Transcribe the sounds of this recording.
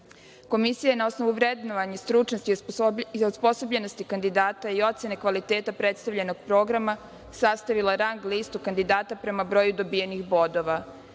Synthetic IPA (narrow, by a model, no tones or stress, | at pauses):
ko̞misijajenao̞snoʋuʋɾed̪noʋaɲast̪ɾut͡ʃnost̪i | ospo̞so̞bʎe̞no̞st̪ikand̪id̪aːt̪aio̞t̪se̞nekʋalit̪eːt̪apɾet̪st̪aʋʎeno̞ɡ̚pɾo̞ːɡɾama | sast̪aʋilˠaɾaŋɡliːst̪ukand̪id̪aːt̪apɾe̞mabɾo̞ːjud̪o̞bijenixbo̞d̪o̞ʋa